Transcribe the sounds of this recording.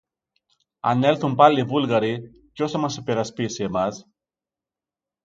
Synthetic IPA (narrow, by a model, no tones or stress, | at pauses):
a̰nːelθumpalːibulɣaɾi | cosamasepeɾaspisemas